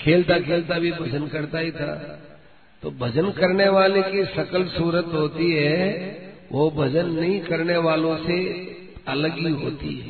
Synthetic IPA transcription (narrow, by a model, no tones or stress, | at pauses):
kʰeːlt̪akʰeːlt̪abʱibʱɐd͡ʒənkɐɾt̪aɦit̪ʰa̰ː | t̪o̰ːbʱɐd͡ʒənkɐɾneʋaːlekisɐkəlsuːɾət̪ɦoːt̪iɦɛː | ʋʔobʱɐd͡ʒənːɐɦĩkɐɾneʋaːlõse | ɐləɡɦiɦo̰ːt̪ḭɦɛ̰ː